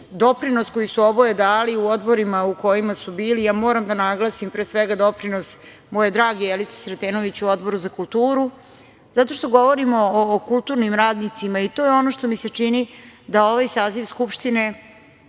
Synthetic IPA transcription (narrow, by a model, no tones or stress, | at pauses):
d̪o̞pɾino̞sko̞jisuo̞bojed̪aːliuo̞d̪bo̞ɾimauko̞jimasubiːlijaːmo̞ːɾamd̪anaɡlˠasimpɾeːsʋeɡad̪o̞pɾino̞s | moːjed̪ɾaːɡijelit̪se̥sɾet̪eːno̞ʋit͡ɕuo̞d̪bo̞ɾuzakulˠt̪uːɾu | zat̪o̞ʃt̪o̞ɡo̞ʋo̞ɾimo̞ːkulˠt̪uɾnimɾaːd̪nit̪simait̪ojeo̞noʃt̪o̞mise̞t͡ʂinid̪ao̞ʋajsaːziʋskupʃt̪ine̞